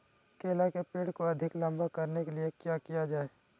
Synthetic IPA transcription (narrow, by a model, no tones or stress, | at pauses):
keːlakepeːɽkoɐd̪ʱɪklɐ̃mbʱakɐɾnekeliekjakijad͡ʒaːeː